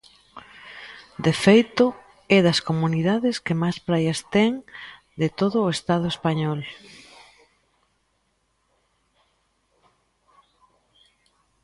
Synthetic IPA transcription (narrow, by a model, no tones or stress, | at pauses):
d̪efejt̪ʊ | ɛðɐskomuniðaðɪskemajspɾajɐst̪ɛŋ | d̪et̪oðʊːest̪aðʊespaɲɔl